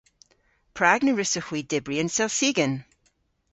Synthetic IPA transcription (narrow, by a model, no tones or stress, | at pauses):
pʰɹ̥aɡnəɹɪsəxwiːdɪbɹiənsɛlˠsiɡən